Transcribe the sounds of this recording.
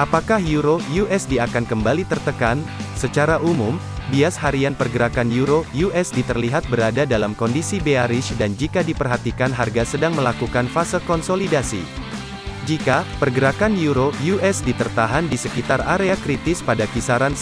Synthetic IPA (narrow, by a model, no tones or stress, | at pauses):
ʔapakahjuɾojuʔɛsdiakankəmbalit̪ərt̪əkansət͡ʃaɾaʔumum | biashaɾianpərɡəɾakanjuɾojuʔɛsdit̪ərliɦat̪̚bəɾadadalamkɔndisibeaɾɪʃdand͡ʒikadipərɦat̪ikanɦarɡasədaŋməlakukanfasəkɔnsolidasḭ | d͡ʒikapərɡəɾakanjuɾojuʔɛsdit̪ərt̪aɦandisəkit̪araɾeakɾit̪ɪspadakisaɾan